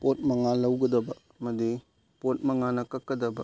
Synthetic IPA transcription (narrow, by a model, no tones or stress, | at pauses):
pot̚mɐŋalɐwɡɐdɐbɐ | mɐdi | pot̚mɐŋanɐkɐkːɐdɐbɐ